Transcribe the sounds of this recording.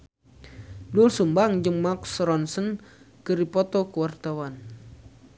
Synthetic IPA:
dulsumbaŋd͡ʒəŋmaksɾɔnsən | kəɾipɔt̪ɔkuwart̪awan

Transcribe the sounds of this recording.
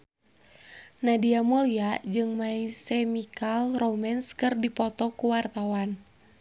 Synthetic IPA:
nadiamoliad͡ʒɨŋmaisɛmikalromɛnskɨrdipɔt̪ɔkuwart̪awan

